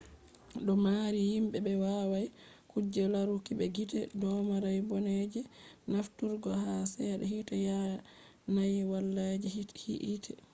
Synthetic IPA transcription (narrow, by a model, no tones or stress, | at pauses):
ɗɔmaːɾihimɓɛɓɛwaːwaj | kud͡ʒːɛlaɾukiɓɛɡitɛdɔmaɾajbɔned͡ʒɛnaftuɾɡɔhasɛɗɛɦitɛja | najwalːad͡ʒihḭʔitʰɛ